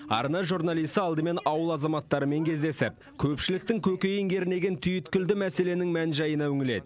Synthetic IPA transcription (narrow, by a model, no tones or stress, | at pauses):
ɑ̰ɾnɑjʒuɾnɑlˠijst̪əɑlˠd̪əme̞nɑwəlˠɑzɑmɑt̪ːɑɾəme̞ŋkʲʰe̞zd̪e̞sɪp̚ | kʲʰɵpʃɪlɪk̚t̪ɪŋkʲʰɵkʲe̞jɪŋɡʲʰe̞ɾɪne̞ɡʲent̪ʰʏjɪt̪kʲʏld̪ɪmæse̞le̞nɪŋmænʒɑjənɑwɵŋɪle̞̰d̪ɪ